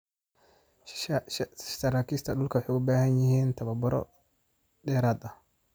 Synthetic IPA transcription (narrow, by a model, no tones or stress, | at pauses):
tɐɾaːkʰist̪ʰɐɗʊlkʰɐwɑħejʊbaːhɐnjɪhiːnt̪ʰɐβɐbʊɾɔ̰ | dɛːɾaːd̪ɐh